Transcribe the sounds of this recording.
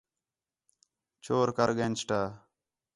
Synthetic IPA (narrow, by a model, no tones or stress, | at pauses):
t͡ʃʰoːɾkəɾɡent͡ʃʈaː